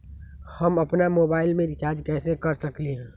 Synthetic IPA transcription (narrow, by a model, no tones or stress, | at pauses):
həməpnamobaːɪlmẽɾɪt͡ʃaːɾd͡ʒkɛːsekəɾsəkliɦɛ̃